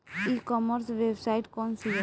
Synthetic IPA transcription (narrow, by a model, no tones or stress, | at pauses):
ikɔməɾsʋebsaiʈkɔnsi